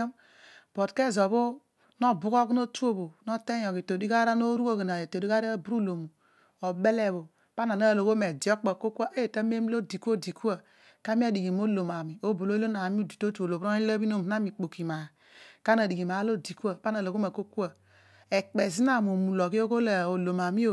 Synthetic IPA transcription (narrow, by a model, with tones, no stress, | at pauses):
b̥o˨tke˦˨zo˨βo˦ | no˦bu˦ko˦ki˦no˦tu˦o˦bo˨no˦te˦jo˨ki˨to˨di˦ɡa˦ɾa˦no˦ɾu˦o˦ɡe˨na˨e˨to˨di˦ɡa˦ɾa˦bu˦ɾu˦lo˨mu˨ | o˨be˦le˦˨βo˨ | pa˦na˨na˦˨lo˨ɡo˦me˨d͡ʒi˨o˦k͡po˨ko˦ku˦a˦ʔe˦je˨ta˦m˦e˦m˦lo˦di˨ku˦o˦di˨ku˦a˨ | ka˦mi˦a˦di˨ɡi˨m˦o˦lo˨ma˨mi˨o˦bo˨lo˦i˦lo˦na˨mi˦u˦di˨to˦tu˦o˨lo˨bo˦i˦la˦bi˦no˦m˨˦a˦mi˨k͡po˨ki˨ma˨ | ka˦na˨di˨ɡi˨m˨a˨˦lo˦di˨ku˦a˨pa˦n˦a˨lo˨ɡo˦me˨ko˦ku˦a˨ | e˨k͡pe˨zi˦na˦˨mo˨mu˨lo˨ki˦o˦ɡo˦la˨o˨lo˨ma˨mi˦o˦˨